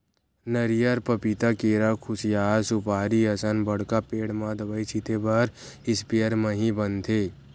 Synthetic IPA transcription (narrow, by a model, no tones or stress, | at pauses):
nəɾijəɾpəpit̪akeːɾakʰʊsijaːsʊpaːɾiɐsənbəɽkapeːɽmãd̪ɐbəit͡ʃʰit̪ebɐɾɪspeəɾməɦĩbənt̪ʰeː